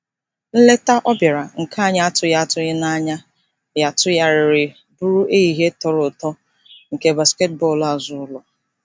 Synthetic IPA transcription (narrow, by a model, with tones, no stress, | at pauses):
n̩˦le˦ta˦ʔɔ˦bja˨ɾa˨ŋ̩˨kʰa˦˨ɲa˦a˦tʊ˨ja˦a˦tʊ˦ɣɪ˦na˦ɲa˦ | ja˨tʊ˦ja˦ɾɪ˨ɾɪ˨ | bʊ˦e˦i˨ɦe˦tɔ˨ɾʊ˨tɔ˦ | ŋ̩˨ke˨ba˨ske˦t̚bɔ˦˨la˨zʊ˦lɔ˨